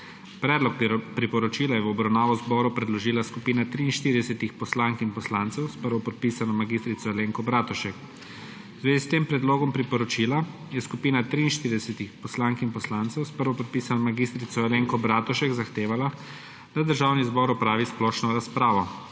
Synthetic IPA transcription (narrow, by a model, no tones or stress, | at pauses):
pɾɛːd̪lɔk̚pɾipɔɾɔt͡ʃiːlajɛwɔbɾawnaːʋɔzbɔːɾupɾɛd̪lɔʒiːlaskupiːnat̪ɾiːnʃt̪iːɾid̪ɛsɛt̪ixpɔslaŋkinpɔslaːnt̪sɛwspəɾʋɔpɔt̪̚pisanɔmaɡiːst̪ɾit̪sɔɛleːŋkɔbɾaːt̪ɔʃɛk | zʋeːzist̪eːmpɾɛd̪loːɡɔmpɾipɔɾɔt͡ʃila | jɛskupiːnat̪ɾiːnʃt̪iɾid̪ɛsɛt̪ixpɔslaŋkinpɔslant̪sɛwspəɾʋɔpɔt̪̚piːsanɔmaɡist̪ɾit̪sɔɛleŋkɔbɾaːt̪ɔʃɛɡzaxt̪eːʋala | d̪̥ad̪əɾʒaːwnizbɔːɾɔpɾaːʋisplɔʃnɔɾaspɾaːʋɔ